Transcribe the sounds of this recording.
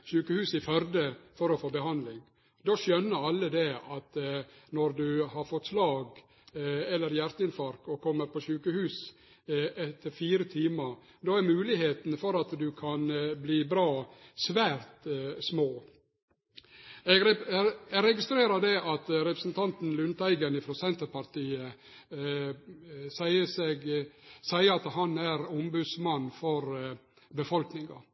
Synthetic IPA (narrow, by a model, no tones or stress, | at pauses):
ʃʉːkəhʉːsɪfœɾd̪əfɔɾɔfoːbəɦɑnd̪lɪŋ | d̪oːʃœnːəɾɑlːəd̪ɛɑt̪nɔɾd̪ʉhɑɾfɔt̪ːslɑːɡ | ɛlːəɾjæɾt̪əɪnfɑɾkɔkʰɔmːəɾpʰɔʃʉːkəhʉːs | ɛt̪ʰːəɾfiːɾət̪ʰiːməɾ | d̪oːæɾmʉːlɪheːt̪nfɔɾɑt̪d̪ʉkʰɑnbliːbɾɑːsʋæːɾt̪smoː | ɛɡɛɡɾɛɡɪst̪ɾeːɾɑd̪ɛʔɑt̪ɾɛpɾəsn̩t̪ʰɑnt̪n̩lʉnt̪æɪɡənɪfɾoːsɛnt̪əɾpɑɾt̪iːə | sæɪəseːɡsæɪəɑt̪ɦɑnæɾʊmbʉd̪smɑnːfɔɾ | bəfɔlknɪŋɑ̰